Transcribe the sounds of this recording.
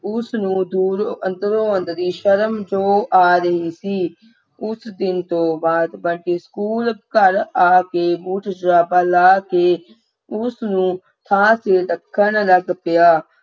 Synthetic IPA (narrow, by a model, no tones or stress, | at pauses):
ʊsnũːd̪uːɾənt̪əɾoːə̃nd̪ɾiːʃəɾəmd͡ʒoːʔaːɾəɦiːsiː | ʊsd̪ɪnt̪õːbaːd̪baːɳkeːskuːlkəɾaːkeːbuːʈʰd͡ʒɾaːpaːlaːkeː | ʊsnũː | t̪ʰãːseːɾəkʰːənləɡpɪjaː